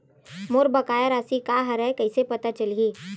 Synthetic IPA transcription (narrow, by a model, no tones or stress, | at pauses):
moɾbɐkaːjaɾasikaːɦɐɾaekɐisepɐt̪at͡ʃɐliː